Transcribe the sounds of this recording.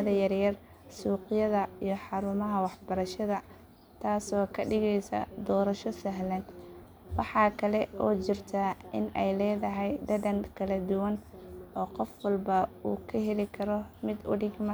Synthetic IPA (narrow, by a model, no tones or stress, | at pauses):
ðɐjɐrjɐr | suːqɪjɐðɐijɞħɑɾʊmɐɦɐwɑħbɐɾɐʃɐðɐ | t̪ʰaːsɔːkʰɐɖɪɣɛjsɐ̰d̪ɔːɾɐʃɔsɐɦlɛn | wɑħɑːkʰɐlɛʔɔːt͡ʃɪrt̪ʰɐʔɪ̰nɛjlɛːðɐɦɛjd̪ɐdɐnkʰɐlɐd̪ʊwɐnɔːqɔfwɐlbɐuːkʰɐɦɛlɪkʰɐɾɔmɪd̪ʊ̰ɽɪɡmɐ